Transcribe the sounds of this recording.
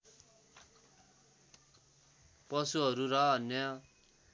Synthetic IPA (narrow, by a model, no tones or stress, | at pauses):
pʌsuɦʌɾuɾʌʌnjʌ